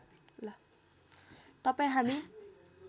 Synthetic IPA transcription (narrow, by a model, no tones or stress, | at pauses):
la | t̪ʌpaĩɦami